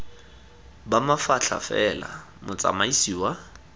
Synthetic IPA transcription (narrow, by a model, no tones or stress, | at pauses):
bamafaɬʰa̰fɛla̰ | mʊt͡sʼa̰maisiːwa